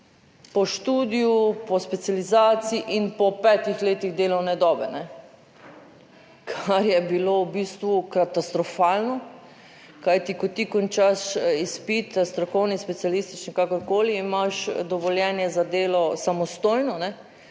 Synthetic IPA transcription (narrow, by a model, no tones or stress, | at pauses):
pɔʃt̪uːd̪ijupɔspɛt̪sijalizaːt̪siiʔinpɔpɛt̪ixleːt̪iɣd̪eːlɔwnɛd̪ɔːbɛnɛ | kʰaɾjɛbilowbist̪ʋukat̪ast̪ɾɔfaːlnɔ | kajt̪ikɔt̪ikɔnt͡ʃaʃispit̪st̪ɾɔkɔwnispɛt̪sijalist̪it͡ʃnikakɔɾkoːliːmaʃd̪ɔʋɔljɛːnjɛzad̪eːlɔsamɔst̪oːjnɔnɛ